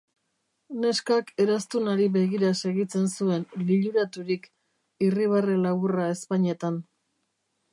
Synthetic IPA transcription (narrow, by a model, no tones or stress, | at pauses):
ne̞skake̞ɾast̪unaɾiβe̞ɣiɾase̞ɣit͡se̞nsue̞nliʎuɾat̪uɾik | iriβ̞arelaβurae̞spaɲe̞t̪an